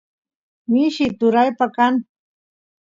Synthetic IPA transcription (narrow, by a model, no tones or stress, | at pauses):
mɪʃɪt̪ʊɾajpakan